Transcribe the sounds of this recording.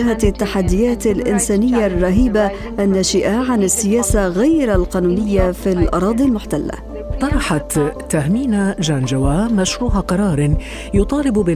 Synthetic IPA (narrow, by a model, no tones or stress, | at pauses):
hat̪at̪ːaħad̪ːɪjaːt̪alʔɪnsaːnɪjːarˤːɑɦiːba | ʔanːaʃɪʔaʕanɪsːɪjaːsaɣajɾalqɑːnuːnɪjːafilʔɑ̰ɾˤɑːd̪ˤilmʊħt̪alːa̰ | t̪ˤɑɾˤɑħat̪ː | ahmiːnad͡ʒand͡ʒawaːmaʃɾuːɦaqɑɾˤɑːɾˤ | jʊt̪ˤɑːlɪbbɪ